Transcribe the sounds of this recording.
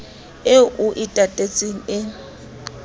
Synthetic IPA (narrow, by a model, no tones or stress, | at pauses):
ɪʔʊʔɪtʼatʼet͡sʼiŋ̩ɪ